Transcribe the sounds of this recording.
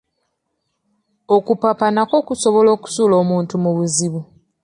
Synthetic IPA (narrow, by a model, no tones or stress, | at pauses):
o̞kupapanako̞kuso̞βo̞lo̞ːku̥suːlo̞ːmuːntumuβuziβu